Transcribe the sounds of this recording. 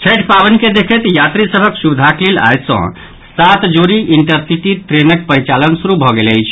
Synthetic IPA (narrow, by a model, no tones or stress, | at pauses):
t͡ʃʰəʈpabənked̪ekʰət̪jat̪ɾisəbʱəksubid̪ʱaklela̰jt̪sə̰̃ | sat̪d͡ʒoɾiʔiɳʈəɾsiʈit̪ɾenək̚pəɾit͡ʃalənsuɾubʱɔɡelə̰jt͡ʃʰ